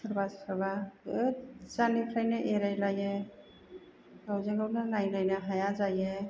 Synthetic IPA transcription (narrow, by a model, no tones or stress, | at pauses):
ɯɾbaskʰɯɾba | zanipʰɾajnaʔeɾajlaje | ɡawzaŋɡawnanajlajnaɦajazaje